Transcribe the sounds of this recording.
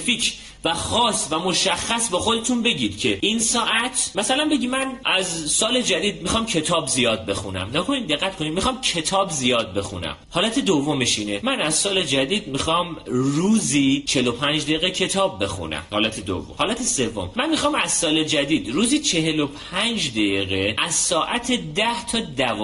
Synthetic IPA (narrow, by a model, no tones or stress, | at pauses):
fiːcʰ | væxɒːsvæmoʃæxːæsbɒːxo̞d̪et̪ʰunbe̞ɟiːd̪̥cʰe̞ʔinsɒːʔæt̪ʰmæsælænbe̞ɟimænʔæzsɒːle̞d͡ʒæd̪iːd̪̚mixɒːmcʰe̞t̪ʰɒːbzijɒːd̪̚be̞xṵnæ̰mnækʰonid̪d̪e̞ɣːæt̪̚kʰo̞nid̪mixɒːmcʰe̞t̪ʰɒːbzijɒːd̪̚be̞xṵnæ̰mhɒːlæt̪ʰed̪ovːomeʃiːnemænæz̥sɒːle̞d͡ʒæd̪iːd̪̚mixɒːmruːziːt͡ʃʰeelopʰænd͡ʒd̪ejiːɣecʰe̞t̪ʰɒːbːe̞xṵnæ̰mhɒːlæt̪ʰed̪o̰vːo̰mhɒːlæt̪ʰese̞vːo̰mmænmixɒːmæz̥sɒːle̞d͡ʒæd̪iːd̪ruːziːt͡ʃʰe̞ɦe̞lo̞pʰænd͡ʒd̪ejiːɣeʔæz̥sɒːʔæt̪ʰed̪æht̪ʰɒːd̪æv